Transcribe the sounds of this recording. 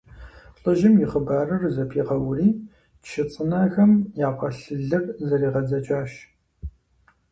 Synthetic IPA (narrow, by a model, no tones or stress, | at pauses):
ɬʼɨʒɪmjɪχəbaːrɐrzɐpʰiːʁɐwriː | ʃɪt͡sʼɨnaːɣɐmjaːqʷɐɬɨɮɨrzɐɾiːʁɐd͡zɐt͡ʃʼaːɕ